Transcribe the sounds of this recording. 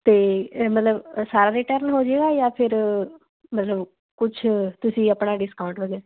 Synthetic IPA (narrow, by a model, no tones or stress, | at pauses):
t̪eːmət̪ləbsaːɾaːɾɪʈəɾnɦoːd͡ʒeːɡaːjaːpʰɪɾ | mət̪ləb | kʊt͡ʃʰt̪ʊsĩːəpɳaːɖɪskaːʊ̃ɳʈʋəɡɛa